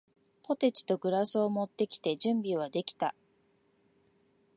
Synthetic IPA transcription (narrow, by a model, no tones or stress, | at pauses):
po̞t̪e̞t͡ɕi̥t̪o̞ɡɯ̟ɾasɨomo̞t̪ːe̞kʲi̥t̪e̞ʑɨ̃mbʲiβ̞ad̪e̞kʲi̥t̪a